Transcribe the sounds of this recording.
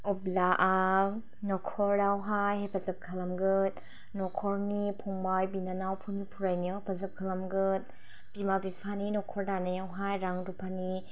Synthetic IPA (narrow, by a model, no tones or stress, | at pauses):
ɔblaʔa | nɔkʰɔɾdawɦajhapʰazɐp̚kʰalamɡɯt̚ | nɔkʰɔɾnipʰɔŋbajbinanawpʰunipʰuɾajnapʰazɐp̚kʰalamɡɯt̚ | b̥imabipʰaninɔkʰɔɾdanajawɦajɾaŋdupʰani